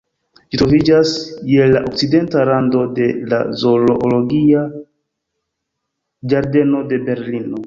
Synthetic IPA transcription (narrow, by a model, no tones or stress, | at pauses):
d͡ʒitɾo̞vid͡ʒasjelaʔok̚t͡side̞ntaɾando̞de̞la̰zo̞loʔolo̞ɡia | d͡ʒaɾde̞no̞de̞be̞ɾlino̞